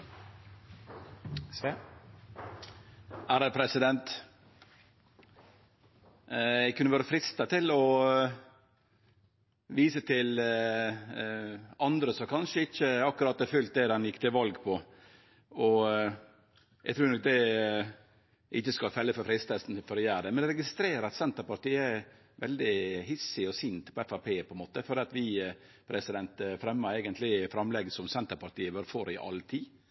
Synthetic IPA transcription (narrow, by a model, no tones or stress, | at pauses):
s | æːɾəpʰɾɛsɪd̪ɛnt̪ | jæɪkʰʉnːəʋøːɾəfɾɪst̪ət̪ʰɪlɔ | ʋiːsət̪ʰɪl | ɑnd̪ɾəsɔkʰɑnʂəɪçːəɑkːʉɾɑt̪̚ɛfʉlt̪̚d̪ɛd̪ɛnjɪkːt̪ʰɪlʋɑlɡpʰɔ | ɔ | ɛɡt̪ʰɾʉːɾnɔk̚d̪ɛ | ʔɪçːəskɑlfɛlːəfɔɾfɾɪst̪ʰɛsn̩fɔɾɔjæːɾɖ̪ɛmɛnd̪ɛɾɛɡɪst̪ɾeːɾəɾɑt̪sɛnt̪əɾpɑɾʈ̪iːəæ | ʋɛ̰ld̪ɪɦɪsɪɔsiːnt̪pʰɔɛfɑpʰeːpʰɔɛnmoːt̪əfɔɾɖ̪ɛːɑt̪ʋɪ | pʰɾɛsɪd̪ɛnt̪fɾɛmːəɾɛɪɡənt̪lɪfɾɑmlɛɡəsɔmsɛnt̪əɾpɑɾʈ̪iːəʋøːɾfoɾɪʔɑ̰lt̪ʰiː